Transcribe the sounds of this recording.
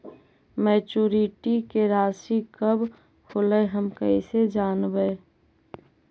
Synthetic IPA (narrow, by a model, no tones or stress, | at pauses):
mɛːt͡ʃuːɾiʈikeɾaːsikəb | holəɦəmkəised͡ʒaːnbəe